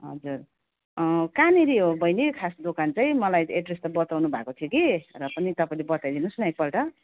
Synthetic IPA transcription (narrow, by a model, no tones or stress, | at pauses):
ɦʌ̰d͡zur | kaniɾiɦobʱʌjnekʰasd̪okant͡saĩmʌlajeʈrist̪ʌbʌt̪awnubʱakot̪ʰijokirʌpʌnit̪ʌpaĩlebʌt̪ajd̪inusnaj̚pʌlʈʌ